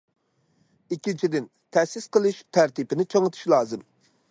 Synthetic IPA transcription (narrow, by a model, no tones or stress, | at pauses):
ikʲːint͡ʃʰid̪ɪn | t̪ʰɛsɪsqəlˠɨʃt̪ʰæɾt̪ipɪnɪt͡ʃʰɑŋɨt̪ʰu̥ʃlˠɑːzɨm